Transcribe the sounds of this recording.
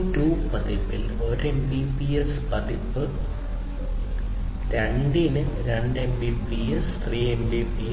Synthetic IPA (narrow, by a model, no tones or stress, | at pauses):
ʈuːpɐðipːil | o̞ɾembipijespɐd̪ipːɨ | ɾɐɳɖinɨ | ɾɐɳɖembipiest̪riːembipi